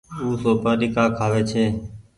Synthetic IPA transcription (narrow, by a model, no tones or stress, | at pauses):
uːsoːpaːɗikaːkʰaːʋeːt͡ʃʰeː